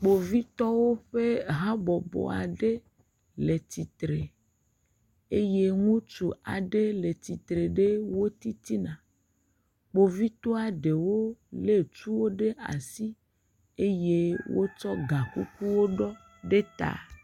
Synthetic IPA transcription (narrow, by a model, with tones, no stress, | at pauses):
k͡po˨vi˦t̪ɔ˦wo˦ɸe˦ɦã˦bɔ˨bɔ̰˨a̰˨ɖe˦ | le˨t̪i˨t̪ɾe˨ | e˦je˦ŋũ˦t͡ʃu˨a˨ɖe˦le˨t̪i˨t̪ɾe˨ɖe˦wo˦t̪i˦t̪i˦nã˨ | k͡po˨vi˦t̪o˦a˨ɖe˨wo˦le˦t͡ʃu˦wo˦ɖe˦ʔa̰˨si˦ | e˦je˦wo˦t͡ʃɔ˦ɡa˨ku˦ku˦wo˦ɖɔ˦ | ɖe˦t̪a̰˨